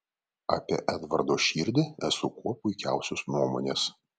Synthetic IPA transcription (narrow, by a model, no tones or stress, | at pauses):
ɑ̰ːpʲiɛʔæːd̪ʋɐ̰ɾd̪oːʃʲiːɾʲd̪ʲɪæsʊkuɔpʊɪkʲæˑʊsʲosnuɔmo̰ːnʲeːs